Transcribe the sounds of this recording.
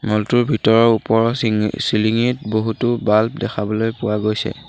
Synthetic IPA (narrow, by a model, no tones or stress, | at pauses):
mɔltuɹbʱitɔɹɔɹupɔɹɔsiliŋitboɦutʊbalp̚dɛkʰabɔlojpʊwaɡojsɛ̰